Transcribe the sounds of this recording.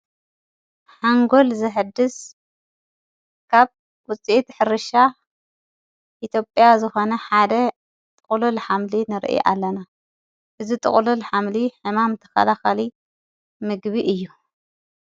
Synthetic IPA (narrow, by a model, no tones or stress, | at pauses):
ħaŋɡo̞lzɨħɨd̪ːɨs | kʰaβ | wʊt͡sʼiʔit̪ħɨɾɨʃa | ʔit̪ʰjo̞pʼjazɨxo̞nɐħad̪ɐ | t̪ʼɨχʼlulħamlinɨɾʔḭʔa̰lːɐna | ʔɨzit̪ʼɨ̰χʼlulħamliħɨmamt̪ʰɐ̥xɐ̰laxali | mɨɡβiʔɨjːu